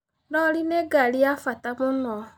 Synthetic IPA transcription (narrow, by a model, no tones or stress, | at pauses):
dɔlɪneɡalɪjafatamʊnɔ